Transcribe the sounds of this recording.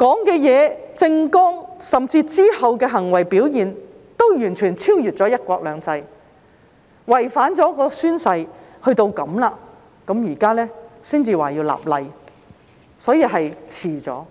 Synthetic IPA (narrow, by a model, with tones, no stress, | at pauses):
kɔː˨˥ŋkɛː˧jɛː˨˧t͡sɪ˧ŋkɔː˥ŋsɐ˨mt͡siː˧t͡siː˥hɐ˨wkɛː˧ɦɐ˨˩ŋwɐ˨˩jpiː˨˥wjiː˨˩n | t̪o˥wjyː˨˩nt͡ʃʰyː˨˩nt͡sʰiː˥wjyː˨t̚t͡sɔː˨˥jɐ˥t̚kʷɔː˧k̚lœː˨˧ŋt͡sɐ˧j | wɐ˨˩jfaː˨˥nt͡sɔː˨˥kɔː˧syː˥nsɐ˧jhɵ˧ɥt̪o˧wkɐ˨˥mlaː˧ | kɐ˨˥mjiː˨˩kaː˥lɛː˥siː˥nt͡siː˨waː˨jiː˧wla̰ː˨p̚lɐ˧j | sɔː˨˥jiː˧ɦɐ˨jt͡sʰiː˨˩t͡sɔ̰ː˨˥